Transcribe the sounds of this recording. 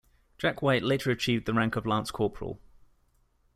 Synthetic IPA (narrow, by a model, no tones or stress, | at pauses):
d̥ʒ̥akʰweɪʔleɪtʰəɹət͡ʃʰiːvd̪̚ðəɹãŋkəvlɑ̃ːˑnskʰɔˑpʰɹə̰lˠ